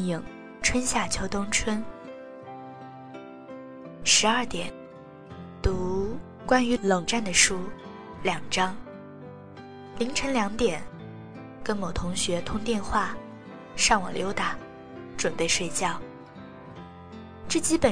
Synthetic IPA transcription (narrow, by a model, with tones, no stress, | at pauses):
i˨˩˦ŋ | ʈ͡ʂʰwə˥nɕja˥˩t͡ɕʰjo˧˥ʊt̪ʊ˥ŋʈ͡ʂʰwə˥n | ʂɻ̩˧˥ɐ˞˥˩t̪jɛ˨˩˦n | t̪u˧˥ | kwa˥ny˧˥lɤ˨˩ŋʈ͡ʂa˥˩nd̪ə˩ʂu˥ | ljɑ˨˩ŋʈ͡ʂɑ˥ŋ | li˧˥ŋʈ͡ʂʰɤ˧˥nljɑ˧˥ŋt̪jɛ˨˩˦n | kə˥nmo˨˩ʊt̪ʰʊ˧˥ŋɕɥɛ˧˥t̪ʰʊ˥ŋt̪jɛ˥˧nxwa˥˩ | ʂɑ˥˩ŋwɔ̰˨˩ljo˧˥ʊt̪a˨˩˦ | ʈ͡ʂwə˨˩npe˥˧ɪʂwe˥˧ɪt͡ɕjɑ˥˩ʊ | ʈ͡ʂ̩˥˩t͡ɕi˥pə˨˩